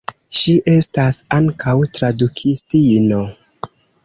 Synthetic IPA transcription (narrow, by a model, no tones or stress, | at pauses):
ʃiʔe̞stasaŋkawtɾadukʰistino